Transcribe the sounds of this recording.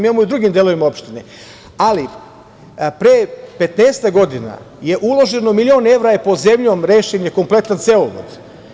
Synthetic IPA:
mjemojud̪ɾuɡimd̪eːloʋimaopʃt̪inḛ | ali | pɾepe̞t̪neːst̪aɡo̞d̪ina̰ | je̞ʔulo̞ʒe̞nomilio̞ːne̞ʋɾaepo̞ze̞mʎo̞ːmɾeːʃeɲeko̞mplˠe̞t̪ant̪se̞oʋo̰d̪

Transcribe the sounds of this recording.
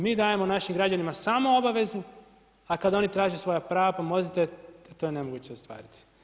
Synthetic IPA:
miːd̪aːjemonaʃimɡɾad͡ʑanimasamoo̞baʋe̞zu | akad̪o̞nit̪ɾaːʒesʋo̞japɾaːʋapamo̞zit̪et̪oːjene̞mo̞ɡuːt͡ɕeost̪ʋa̰ːɾit̪i̥

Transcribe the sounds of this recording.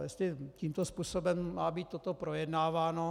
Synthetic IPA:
jɛst̪lɪciːmt̪ospuːsobɛmːaːbiːt̪̚t̪ːot̪opɾojɛdnaːvaːno

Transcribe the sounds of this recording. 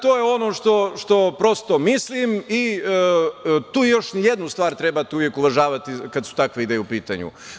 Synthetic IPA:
t̪oːjeo̞noʃt̪o̞ʃt̪o̞pɾo̞st̪omislimi | t̪uːjo̞ʃnijed̪nust̪ʋaːɾt̪ɾebat̪ɛuʋjekuʋaʒaːʋat̪ikad̪su̥t̪akʋeid̪ejeupiːt̪a̰ɲṵ

